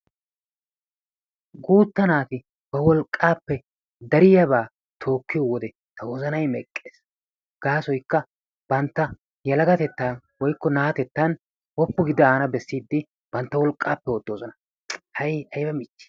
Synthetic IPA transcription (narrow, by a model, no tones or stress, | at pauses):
ɡuːt̪ːɐnaːt̪ɪ | b̥ɐwɔlkʼːaːpːɛ | d̪ɐɾɪjɐbaː | t̪ʰo̞ːkːɪjɔwɔd̪ɛ | t̪ɐwɔzɐnɐjmɛkʼːeːs | ɡ̥aːsɔjkːɐ | b̥ɐnt̪ːɐ | jɐlɐɡɐt̪ɛt̪ːaː | wɔjkːɔnaːt̪ɛt̪ːɐn | wɔpːʊɡɪd̪ɐaːnɐbɛsːiːd̪ːɪ | b̥ɐnt̪ːɐwɔlkʼːaːpːɛwɔd̪ːoːzɔnɐ | hɐjɐjbɐmɪt͡ʃːɪ̥